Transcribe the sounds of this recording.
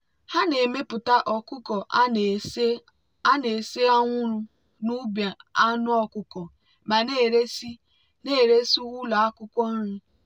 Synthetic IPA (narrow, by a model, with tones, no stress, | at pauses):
ha˦ne˨me˦pʊ˨ta˦ʔɔ˨kʊ˦kɔ˨˦ | a˦ne˨se˦a˦ŋʷʊ˦ɾʊ˦ | nu˦bja˨a˦nʊ˦ɔ˦kʊ˦kɔ˨ | ma˨ne˦˨ɾe˦si˦ | ne˦˨ɾe˦su˦ɣʊ˦la˨a˦kʊ˦kʷɔ˦n̩˦ɾu˦